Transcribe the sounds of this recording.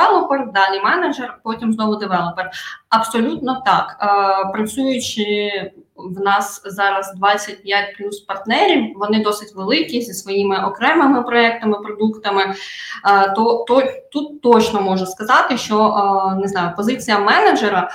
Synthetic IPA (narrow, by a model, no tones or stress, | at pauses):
ɛlˠɔperd̪ɑlʲimɛnɐd͡ʒɛrpɔtʲimznɔɦʊd̪ɪʋɛlˠɔperɐb̥sɔlʲut̪nɔt̪ɑkːpɾɐt͡sʲujʊt͡ʃɪ | wnɑszɑɾɐzd̪ʋɑt͡sʲːɐt̚ʲpʲjat̚ʲplʲuspɐrt̪nɛɾʲiwʋɔnɪd̪ɔsɪtʲʋelˠɪkʲizʲisʋɔjimɪɔkɾɛmɪmɪpɾɔɛk̚t̪ɐmɪpɾɔd̪ukt̪ɐmɪ | t̪ɔt̪ɔt̪ut̪ːɔt͡ʃnɔmɔʒɐskɐzɑt̪ɪʃt͡ʃɔnɪznɑjʊpɔzɪt͡sʲijɐmɛnɐd͡ʒeɾɐ